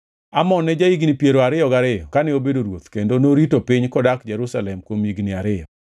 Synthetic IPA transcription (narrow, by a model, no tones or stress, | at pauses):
amɔnːɛd͡ʒaiɡnipjeɾoaɾɪjɔɡaɾɪjɔkanɛobedoɾwot̪kendonoɾitopiɲkɔdakd͡ʒɛɾusalɛmkwomiɡnɪaɾɪjɔ